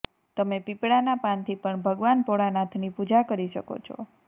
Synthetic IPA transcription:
t̪əmepipɽanapant̪ʰipəɳbʱəɡʋanpoɭanat̪ʰnipud͡ʒakəɾiʃəko̰t͡ʃʰo̰

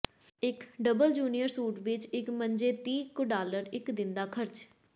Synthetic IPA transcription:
ɪkɖəbəld͡ʒuːnijəɾsuːʈʋɪt͡ʃɪkməɲd͡ʒeːt̪iːkoɖaːləɾɪkd̪ɪnd̪aːkʰəɾt͡ʃ

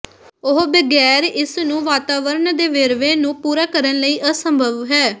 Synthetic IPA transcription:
ʊɦbəɡɛːɾɪsnũːʋaːt̪aːʋəɾnd̪eːʋeːɾʋeːnũːpuːɾaːkəɾənləiːʔəsəmbʱəʋɦɛː

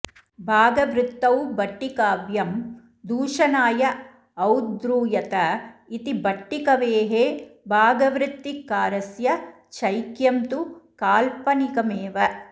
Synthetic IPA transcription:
bʱaːɡɐʋɾɪt̪ːɐwbɐʈːikaːʋjɐm | d̪uːʂɐnaːjɐ | ɐwd̪ɾuːjɐt̪ɐit̪ibɐʈːikɐʋeːɦeːbʱaːɡɐʋɾɪt̪ːikːaːɾɐsjɐ | t͡ʃɐjkjɐmt̪ukaːlpɐnikɐmeːʋɐ

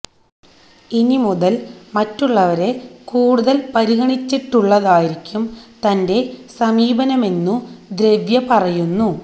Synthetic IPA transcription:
inimuðɐlmɐtːuɭːɐʋɐɾe̞kuːɽuðɐlpɐɾiɣɐɳit͡ɕːiʈːuɭːɐðaːjiɾikʲːumt̪ɐnde̞sɐmiːbɐnɐme̞nːud̪ɾe̞ʋjɐpɐrɐjunːu

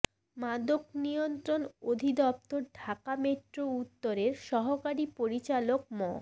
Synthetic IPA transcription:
mad̪oknijont̪ɾonod̪ʱid̪ɔp̚t̪oɾɖʱakamet̪ːɾout̪ːoɾeɾʃɔɦokaɾipoɾit͡ɕalok̚mɔ

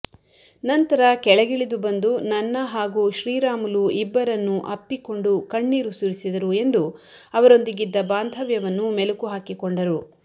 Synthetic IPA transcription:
nɐnt̪ɐɾɐkɛɭɐɡiɭid̪ubɐnd̪unɐnːɐɦaːɡuʃɾiːɾaːmuluʔibːɐɾɐnːuʔɐpːiko̞ɳɖukɐɳːiːɾusuɾisid̪ɐɾue̞nd̪u | ɐʋɐɾo̞nd̪iɡid̪ːɐbaːnd̪ʱɐʋjɐʋɐnːumelukuɦaːkikoɳɖɐɾu

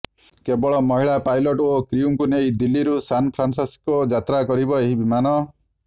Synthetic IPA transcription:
kebɔɭɔmɔɦiɭapajlɔʈokɾiumkunejd̪ilːiɾusanpʰɾansaskɔd͡ʒat̪ɾakɔɾibɔeɦibimanɔ

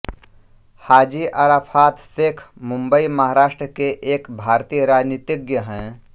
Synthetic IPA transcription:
haːd͡ʒiʔaɾaːpʰaːt̪sekʰmʊ̃mbəimɐɦaːɾaːʃʈɾəkeʔeːkbʱaːɾt̪iːjəɾaːd͡ʒniːt̪ɪɡjəɦɛ̃ː

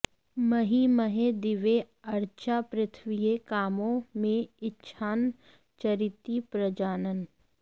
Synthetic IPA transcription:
mɐɦiməɦed̪ɪʋe | ɐɾt͡ʃʰapɾɪt̪ʰʋijekaːmõmẽɪtːʃʰaːn | t͡ʃɐɾɪt̪ːipɾəd͡ʒaːnən

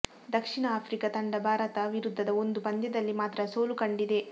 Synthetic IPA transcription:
d̪ɐkʂiɳɐaːpʰɾikɐt̪ɐɳɖɐbʱaːɾɐt̪ɐʋiɾud̪ʱːɐd̪ɐo̞nd̪upɐnd̪jɐd̪ɐlːimaːt̪ɾɐsoːlukɐɳɖid̪e̞

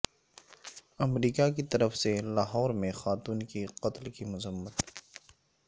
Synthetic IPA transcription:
ɐmɾiːkakit̪ɐɾəfselaːɦɔːɾmẽxaːt̪uːnkiqɐt̪lkimʊzəmːət̪

